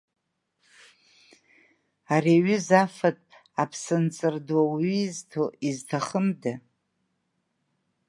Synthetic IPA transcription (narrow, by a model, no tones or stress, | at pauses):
ariɥʏzafatʼ | apʰsɨnt͡sʼɨrdwawiːztʰoiztʰaχəmda